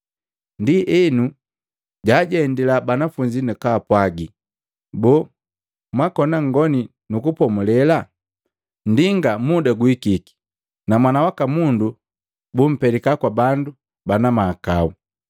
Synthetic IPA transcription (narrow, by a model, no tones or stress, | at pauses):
ndiʔɛnu | ɟaːɟɛːndilabanafuɲd͡ʒinukaːpwaɡi | bɔ | mwakɔnaŋɡɔni | nukupɔmulɛla | ndiŋɡamudaɡwikiki̥ | namwanawakamundu | bum̩pɛlikakwabandu | banamaːkau